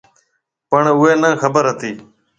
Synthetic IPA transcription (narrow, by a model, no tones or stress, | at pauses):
pəɳʊeːnə̃ːxəbəɾɦət̪iː